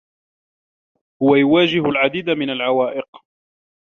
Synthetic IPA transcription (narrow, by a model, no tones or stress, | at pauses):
hʊwajʊwaːd͡ʒɪhʊlʕad̪iːd̪amɪnalʕawaːʔɪq